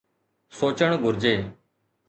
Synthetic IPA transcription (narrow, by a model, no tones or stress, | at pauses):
soːt͡ʃəɳ̃ɡʱʊɾd͡ʒeː